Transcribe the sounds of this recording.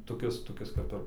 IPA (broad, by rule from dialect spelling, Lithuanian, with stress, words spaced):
toːˈkʲɪs toːˈkʲɪs kɐp ˈɪr